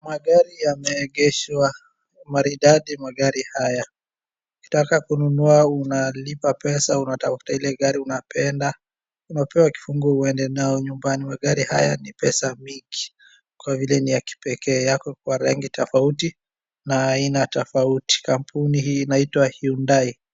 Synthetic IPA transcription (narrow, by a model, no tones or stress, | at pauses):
maɠaɾijamɛːɠɛʃwa | maɾiɗaɗimaɠaɾihaja | uki̥takakununuaunalipapɛsaunatafu̥tailɛɠaɾiunapɛnda | unapɛwaki̥fuŋɡuɔuɛndɛnaɔɲumbanimaɠaɾiha̰ja̰nipɛsamiŋɡi | kwavilɛnijaki̥pɛkɛːjakɔk̚waɾa̰ŋɡitʰɔfauti | naːinatɔfauti̥kampʰunihiːnaitwahiundai